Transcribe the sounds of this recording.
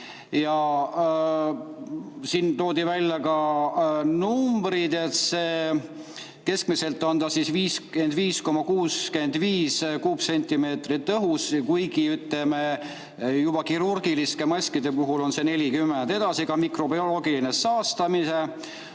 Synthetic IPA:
jɑ | sint̪o̞ːd̪̥ivælʲjɑkɑ | numbɾid̪e̞t̪seː | ke̞skmise̞lt̪ːˑɑnd̪ɑsisviːsend̪viːsko̞mːɑkuːske̞nd̪viːskuːbse̞nʲt̪ʲime̞ːt̪rit̪ːɤɦuskujɡiyt̪leme | jub̥ɑkiɾurɡ̥iliskemɑsʲkid̪e̞puɦulo̞nse̞ne̞lʲikymːend̪e̞d̪̥ɑsikɑmikro̞bio̞lo̞ːɡilinesɑːst̪ɑmise̞

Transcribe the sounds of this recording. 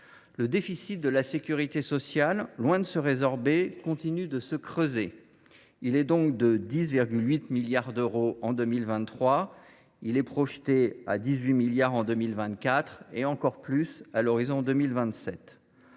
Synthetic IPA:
ləd̪efisit̪̚d̪əlasekʲyʁit̪esɔsjalːwɛ̃d̪əsəʁezɔʁbekɔ̃t̪inyd̪əsəkχøze | ilɛd̪ɔ̃kd̪əd̪isviʁɡʲylɥit̪miljaʁd̪øʁoɑ̃d̪ømilvɛ̃t̪ːχwa | ilɛpχɔʃt̪ea̰d̪izɥimiljaʁɑ̃d̪ømilvɛ̃t̪kʲat̪χeɑ̃kɔʁplysalɔʁizɔ̃d̪ømilvɛ̃t̪sɛt̪

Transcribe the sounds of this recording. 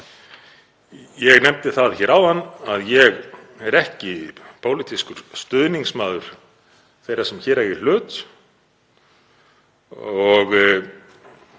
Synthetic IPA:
jɛɣnɛmt̪ɪθaðçɛːɾawhanːaðjɛɣ | ɛɾɛhcɪpoːwlit̪iskʏɾ̥st̪ʏðniŋsmaːðʏɾ̥ | θejɾḁsɛmçɛːɾaɣɪl̥ʏːt̪ | ɔɣ

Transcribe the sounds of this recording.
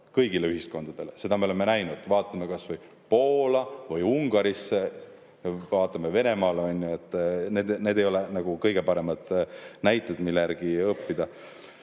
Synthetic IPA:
kɤjɡ̥ile̞yhisko̞nd̪̥ɑd̪̥e̞lese̞d̪̥ɑme̞o̞lemːenæjnud̪vɑːt̪ːˑɑmekɑsvɤj | po̞ːlɑvɤjuŋɡ̥ɑɾisːe | vɑːt̪ˑːɑmeve̞ne̞mɑːleonʲjue̞t̪ːˑneːd̪ne̞d̪̥e̞jo̞lenɑɡ̥ukɤjɡ̥e̞pɑɾe̞mɑd̪̥næjt̪ːˑed̪milːejæ̰ɾɡ̥iɤpːid̪̥ɑ

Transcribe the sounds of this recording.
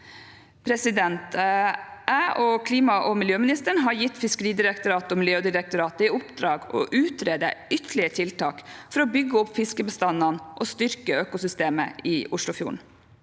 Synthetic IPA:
pʰɾɛsɪd̪ɛnt̪ | ʔæːʔɔkʰliːmɑʔɔmɪljøːmɪnɪst̪əɳɦɑɾjɪt̪ːfɪskəɾiːd̪ɪɾəkt̪ʊɾɑːt̪ɔmɪljøːd̪ɪɾək̚t̪ʊɾɑːt̪əɪʊpd̪ɾɑːɡɔ̰ʔʉːt̪ʰɾeːd̪ə̰ʏt̪ʰəɭɪət̪ʰɪlt̪ɑːkfɔɾɔbʏɡːəɔpːfɪskəbəst̪ɑnɑnʔɔst̪ʏɾkəøːkʊsʏst̪eːmə̰ɪʔʊʂlʊfjṵːɳ

